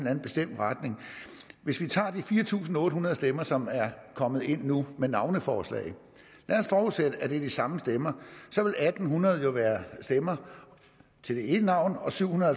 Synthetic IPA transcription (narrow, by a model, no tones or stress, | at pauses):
næn̩b̥e̝sd̥em̰d̥ʁad̥ne̝ŋʋe̝sʋit͡sʰɑ̰̈ːd̥ifiːɐt͡sʰṵːs̬n̩ɔ̽ːdɾəɦunɐðˠsd̥emɐsɒ̽mæɐkʰɒ̽mð̩ˠe̝n̰ːumenɑ̈ʊnəfɒːslɛ̰ɪ | læːɒsfɒːuðˠsed̥əæd̥e̝d̥isɑ̈məsd̥emɐsɒ̽ʋe̝læd̥n̩ɦunɐð̞̩ˠjo̝ʋæːɐsd̥emɐ | t͡sʰe̝d̥e̝ed̥ənɑ̈ʊ̰nɒ̽syʊ̰hunɐðˠ